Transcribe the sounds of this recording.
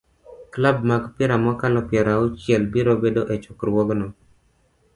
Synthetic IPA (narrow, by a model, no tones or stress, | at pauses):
klab̚maɡpɪɾamɔkalɔpjɛɾaot͡ʃjɛlbiɾobedoʔet͡ʃɔkɾwɔɡnɔ